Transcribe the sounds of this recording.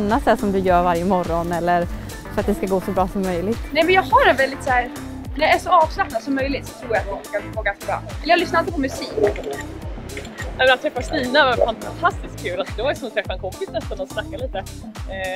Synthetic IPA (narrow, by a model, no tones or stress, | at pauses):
nːat̪d̪æːʂɔmd̪ɵjœːɾvaɾjəmɔɾːɔnɛlːəɾ | fœɾat̪̚d̪ɛskaɡoːsɔbɾɑːsɔmːœjlɪɡt̪nɛmɛnjɑːɡɦaɾɛnvɛld̪ɪt̪sæːɾ | d̪ɛæʂɔɑːvslak̚nad̪sɔmːœjlɪt̪sɔ̥t̪ʰɾuːɾjat̪vɔfkaɪfoːɡat̪bɾɑ̰ʔɛləjɑɡlʏsnaɾat̪əpʰɔmɵsiːk | nɛmɛnat̪ʰːɾɛfːast̪iːnavaɛnfant̪ʰast̪ɪskʰːʉːlad̪ɛvaɾsɔmɛnt̪ɾɛfːaɛnkʰɔmpɪsnɛst̪anɔsnakːaliːt̪ə